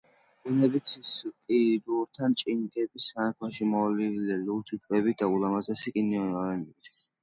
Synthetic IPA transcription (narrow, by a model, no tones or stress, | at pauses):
ɡunɛbit̪sʰiskʼid̪uɾt̪ʰant͡ʃʼinɡɛbisanakʰlaʃimɔlilialut͡ʃ̪ʰut͡ʃʰʼbɛbid̪aulamazasikʼiniɔɔɛnɛbit̪